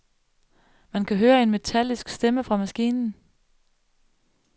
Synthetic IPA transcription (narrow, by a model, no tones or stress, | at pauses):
mænkʰæɦøːɐe̝nme̝t͡sʰæl̰isɡ̥sd̥eməfʁɑ̈mæsɡ̥ḭːnn̩